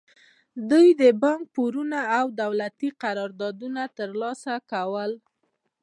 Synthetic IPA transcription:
d̪ujd̪əbɑŋk̚poɾunaːwd̪awlat̪iqaɾɑɾd̪ɑd̪unat̪əɾlɑsakawəl

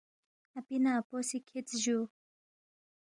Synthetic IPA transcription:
apinaposikʰit͡sʒu

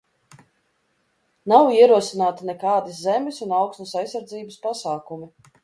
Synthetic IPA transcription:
nawiɛɾuɔsinaːt̪anɛkaːd̪iszɛmʲisunawksnusajsːaɾd̪ziːbəspasaːkumi

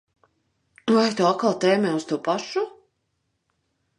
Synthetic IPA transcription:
uvajt̪uakalˠt̪ɛːmɛːust̪uɔpaʃu

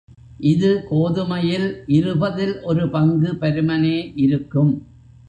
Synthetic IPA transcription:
ʔɪðɯkoːðɯmɐjɪlʔɪɾɯbɐðɪlʔɔɾɯpɐŋɡɯpɛɾɯmɐneːʔɪɾɯkːɯm

